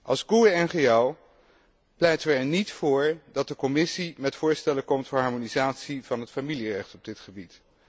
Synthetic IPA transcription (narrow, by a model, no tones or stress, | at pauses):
ʔɑlˠzɡuəɛnχeaw | plɛjtəʋəɛɹnitfʊːɹdɑt̚dəkɔmɪsimɛtfʊːɹstɛləkɔmtfʊːɹɦɑɹmonizaːtsiv̥ɑnɦətfamilirɛχtɔb̚dɪtχəbit